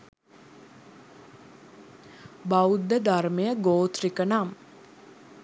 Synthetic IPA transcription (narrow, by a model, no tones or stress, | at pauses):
baud̪ːəd̪armejəɡoːt̪rikənam